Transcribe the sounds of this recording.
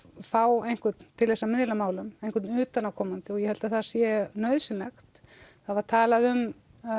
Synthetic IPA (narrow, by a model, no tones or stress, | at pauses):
faːwejn̥kʏt̪nt̪ʰːɪlθɛsːamɪðlamaːwlʏmejn̥kʰʏt̪nʏːt̪anawkʰɔmant̪ɪɔɣjɛhɛlt̪aθaðsjɛnœɥðsɪnlɛxt̪θaðvaɾ̥t̪ʰaːlaðʏm